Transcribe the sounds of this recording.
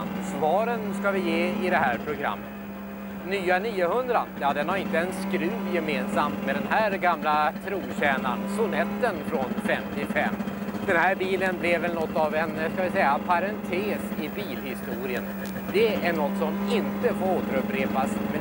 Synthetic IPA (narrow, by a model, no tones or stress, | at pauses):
nsvɑːɾənskavɪjeːɪd̪ɛɦæːɾpʰɾʊɡɾa̰mːət̪ | nyːaniːəhɵnd̪ɾajɑːd̪ɛnhaɾɪnt̪əɛnskɾʉ̟ːvjɛmeːnsamt̪mɛd̪ɛnɦæːɾɡamlat̪ʰɾuːnɕɛːnaɳsʊnɛt̪ːənfɾɔnfɛmt̪ʰɪfɛ̰mːd̪̥ɛnhæːɾbiːlənblɛvɛlnɔt̪ːavɛnskavɪsɛjːapʰaɾɛnt̪ʰeːsɪbiːlhɪst̪uːɾɪə̰n | d̪ɛæɳɔt̪sɔmɪnt̪əfoːɾoːt̪əɾɵpɾeːpasmɛ